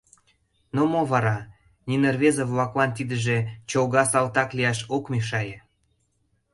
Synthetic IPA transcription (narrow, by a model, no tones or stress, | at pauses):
nomoβɑɾɑ | nʲinerβezəvlɑklɑnt̪id̪ə̆ʒĕt͡ɕoɣɑsɑlt̪ɑkliɑʃokmiʃ̬ɑje